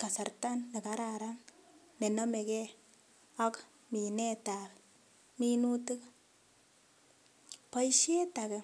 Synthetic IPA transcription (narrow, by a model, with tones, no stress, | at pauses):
ka˨sa˨rta˦nːe˨ka˦ɾaɾan | ne˨nɔ˦me˨kɛ˦ | ɔ˦k | mi˨nɛ˦tak | mi˦nu˦ti˦k | pa˦i˦ʃe˦ta˨k